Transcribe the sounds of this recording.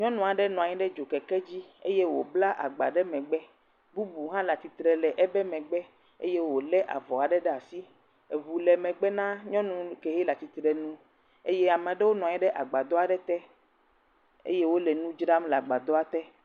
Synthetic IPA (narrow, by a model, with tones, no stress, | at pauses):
ɲɔ̃˦nũ˨a˨ɖɛ˦nɔ̃˨a˨ɲĩ˦ɖɛ˦d͡ʒo˨kɛ˨kɛ˦d͡ʑi˦ḛ˦je˦wo˨bla˦ʔa̰˨ɡ͡ba̰˨ɖɛ˦mɛ̃˨ɡ͡bɛ˦ | bu˦bu˨ɦã˦la˨t̪i˨t̪ɾɛ˨lɛ˨ʔɛ˦bɛ˦mɛ̃˨ɡ͡bɛ˦ | ḛ˦je˦wo˨lɛ˦ʔa̰˨vɔ˨a˨ɖɛ˦ɖɛ˦a˨si˦ | e˨vu˨lɛ˨mɛ̃˨ɡ͡bɛ˦nã˦ɲɔ̃˦nũ˨ke˨ɦe˦la˨t̪i˨t̪ɾɛ˨nũ˦ | e˦je˦a˨mɛ̃˨ɖe˦wo˦nɔ̃˨ɲɛ̃˦ɖɛ˦ʔa˨ɡ͡ba˨d̪ɔ˦a˨ɖɛ˦t̪ɛ˦ | ḛ˦je˦wo˦lɛ˨nũ˦d͡ʒɾa˦mla˨ɡ͡ba˨d̪ɔ˦a˨t̪ɛ˦